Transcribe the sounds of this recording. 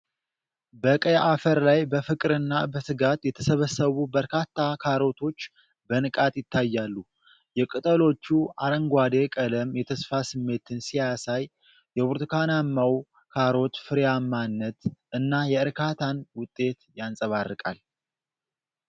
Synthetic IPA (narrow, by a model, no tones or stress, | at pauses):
bəkʼəjaʔafəɾlajbəfɨkʼɨɾɨnːabəsɨɡat̪jɛt̪ʰəsəβəsːəβubəɾkʰat̪ʰːakʰaɾo̞t̪ʰo̞t͡ʃː | bənɨkʼat̪jɪt̪ʰːajːalːu | jɛkʼɨt̪ʼəlo̞t͡ʃːuaɾəŋɡʷwad̪e̞kʼələmjɛt̪ʰəsfasɨmːe̞t̪ʰɨnsijasaj | jɛβuɾt̪ʰɨkʰanamːaw | kʰaɾo̞t̪fɨɾejamːanːət̪ʔɨnːajɛɨɾkʰat̪ʰanwʊt̪ʼːe̞t̪jansʼəβarːɨkʼa̰l